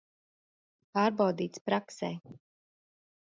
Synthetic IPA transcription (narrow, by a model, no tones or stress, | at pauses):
paːɾbawd̪iːt̪spɾaksɛː